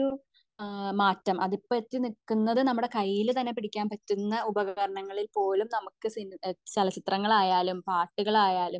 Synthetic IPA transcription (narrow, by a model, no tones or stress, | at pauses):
u | maːtːɐmʔɐðipːɐt̪ːinikːunːɐðɨnɐmːuɽe̞kɐjːilt̪ɐnːepiɽikʲːaːnpɐtːunːɐubɐɣɣɐɾɐɳɐŋːɐɭilpo̞ːlumnɐmukːɨsint͡ɕɐlɐt͡ɕit̪rɐŋːɐɭaːjaːlumpaːrʈːiɣɐɭaːjaːlum